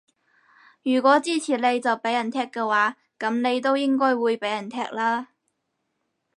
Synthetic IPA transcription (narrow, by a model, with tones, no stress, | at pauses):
jyː˨˩kʷɔː˨˥t͡siː˥t͡sʰiː˨˩le˨˧jt͡sɐ˨wpe˨˥jɐ˨˩nt̪ʰɛː˥kːɛː˧waː˨˥ | kɐ˨˥mne˨˧jt̪̬o˥wjɪ˥ŋkɔː˥jwuː˨˧jpe˨˥jɐ˨˩nt̪ʰɛː˥k̚laː˥